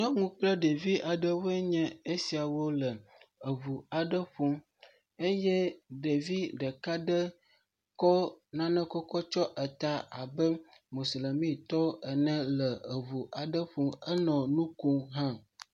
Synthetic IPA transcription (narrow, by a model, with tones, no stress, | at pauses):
nɔ̃˦ŋũ˦k͡plə˦ɖe˨vi˦ʔa˨ɖə˦wo˦e˦ɲɛ̃˦e˦si˨a˨wo˦lə˨ə˨vu˨a˨ɖə˦ɸu˦ | e˦jɛ˦ɖe˨vi˦ɖə˨ka˦ɖə˦ | kɔ˦nã˦nə̃˦kɔ˦kɔ˦t͡ʃɔ˦ʔə˨t̪a˦a˨bə˦mo˨sle˨mĩ˦t̪ɔ˦ə˨nɛ̃˦lə˨ə˨vu˨ʔa˨ɖə˦ɸu˦ə˦nɔ̃˨nũ˦ku˦ɦã˦